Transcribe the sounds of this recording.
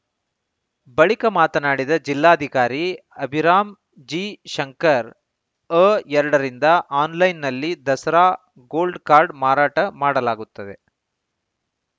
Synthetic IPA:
bɐɭikɐmaːt̪ɐnaːɽid̪ɐd͡ʒilːaːɐd̪ʱikaːɾi | ɐbʱiɾaːm | d͡ʒiːʃɐŋkɐɾ | əɛɾɐɽɐɾind̪ɐʔaːnlɐjnːɐlːid̪ɐsɐɾaː | ɡoːlɖkaːɾɖmaːɾaːʈɐmaːɽɐlaːɡut̪ːɐd̪e̞

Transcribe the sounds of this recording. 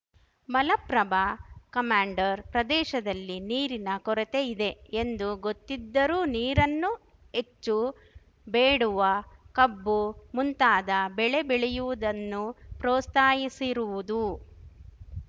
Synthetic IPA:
mɐlɐpɾɐbakɐmaːɳɖɐɾpɾɐd̪ɛːʃɐd̪ɐlːiniːɾinɐkɔɾet̪e̞id̪e̞end̪uɡot̪ːid̪ːɐɾuːniːɾɐnːu | e̞t͡ʃːu | beːɽuʋɐkɐbːumunt̪aːd̪ɐbɛɭe̞bɛɭejuʋud̪ɐnːupɾoːst̪aːjisiɾuʋud̪u

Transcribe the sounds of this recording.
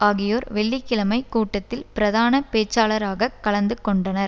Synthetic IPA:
aːɣɪjoːɾʋɛɭːikːɪlɐmɐɪkuːʈːɐt̪ːɪlpɪɾɐðaːnɐpeːt͡ʃːaːlɐɾaːɣɐkːɐɭɐnd̪ɯkːɔɳɖɐnɐɾ

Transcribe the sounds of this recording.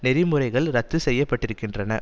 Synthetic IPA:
nɛɾɪmɯrɐɪɣɐɭɾɐt̪ːɯsɛjːɐpːɐʈːɪɾɯkːɪndrɐnɐ̰

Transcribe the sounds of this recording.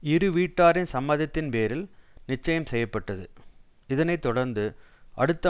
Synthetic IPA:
ɪɾɯʋiːʈːaːɾɪnsɐmːɐðɐt̪ːɪnpeːɾɪlnɪt͡ʃːɐjɐmsɛjːɐpːɐʈːɐðɯ | ɪðɐnɐɪt̪ːɔɽɐɾnd̪ɯʔɐɽɯt̪ːɐ

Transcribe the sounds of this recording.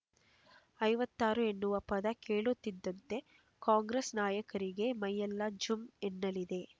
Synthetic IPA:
ɐjʋɐt̪ːaːɾue̞nːuʋɐpɐd̪ɐkeːɭut̪ːid̪ːɐnt̪e̞ | kaːŋɡɾesnaːjɐkɐɾiɡe̞mɐjːɐlːɐd͡ʒumenːɐlid̪e̞

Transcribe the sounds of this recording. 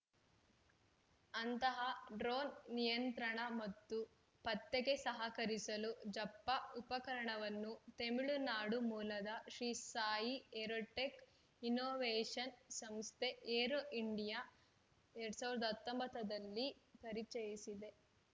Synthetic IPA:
ɐnt̪ɐɦɐɖɾoːnːijɐnt̪ɾɐɳɐmɐt̪ːu | pɐt̪ːeɡe̞sɐɦɐkɐɾisɐlud͡ʒɐpːɐupɐkɐɾɐɳɐʋɐnːut̪e̞miɭunaːɽumuːlɐd̪ɐʃɾiːsaːjieɾoːʈːek | inoːʋeːʂɐnsɐmst̪ʰe̞ʔeːɾoʔiɳɖija | eɽsaːʋiɾɛd̪ɐːt̪ːombɐt̪ːɐd̪ɐlːipɐɾit͡ʃɐjisid̪e̞

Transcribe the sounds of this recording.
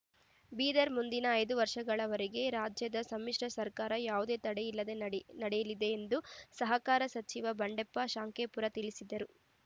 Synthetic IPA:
biːd̪ɐɾmund̪inɐːjd̪uʋɐɾʂɐɡɐɭɐʋɐɾiɡe̞ɾaːd͡ʒjɐd̪ɐsɐmːiʂʈɐsɐɾkaːɾɐjaːʋud̪e̞ːt̪ɐɽejilːɐd̪e̞nɐɽɛjɐlid̪e̞ːnd̪usɐɦɐkaːɾɐsɐt͡ʃiʋɐbɐɳɖepːɐʃaːŋkeːpuɾɐt̪iɭisid̪ɐɾu

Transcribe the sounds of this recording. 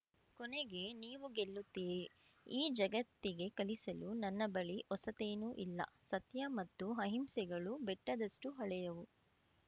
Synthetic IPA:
kɔneɡe̞niːʋuɡelːut̪ːiːɾi | iːd͡ʒɐɡɐt̪ːiɡe̞kɐɭisɐlunɐnːɐbɐɭiʔɔsɐt̪e̞ːnuːʔilːɐ̰sɐt̪jɐmɐt̪ːuɦɐɦimsɛɡɐɭubɛʈːɐd̪ɐsʈuɦɐɭɛjɐʋu

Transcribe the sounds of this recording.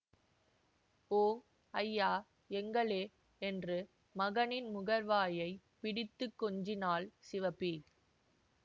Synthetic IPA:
oːŋ | ɐjːaː | ɛŋɡɐɭeː | ɛndrɯ | mɐɣɐnɪnmʊɣɐɾʋaːjɐɪ | pɪɽɪt̪ːɯkːɔɲd͡ʒɪnaːlsɪʋɐpːi

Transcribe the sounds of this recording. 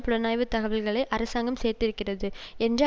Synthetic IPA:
pʊɻɐnaːjʋɯt̪ːɐɣɐʋɪlɣɐɭɐɪʔɐɾɐsaːŋɡɐmseːrt̪ɪɾɯkːɪrɐðɯ | ɛndrɐ

